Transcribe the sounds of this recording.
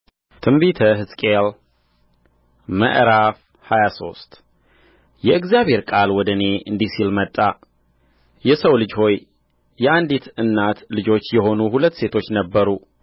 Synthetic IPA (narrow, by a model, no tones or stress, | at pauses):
t̪ʰɨmbit̪ʰəɦɨskʼel | mə̰ʔɾaf | hajaso̞̰st̪ʼ | jɛɨɡzjaβhe̞ɾkʼalwɔd̪əne̞ʔɨnd̪isilmət̪ʼːa | jɛsəwlɨd͡ʒho̞jː | ɛand̪it̪ɨnːat̪lɨd͡ʒo̞t͡ʃːjɛho̞nuhulət̪ːse̞t̪ʰo̞t͡ʃːnəbːəɾu